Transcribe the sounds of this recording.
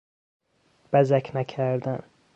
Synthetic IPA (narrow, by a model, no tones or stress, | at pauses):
b̥æzækʰnæcʰæɾd̪æn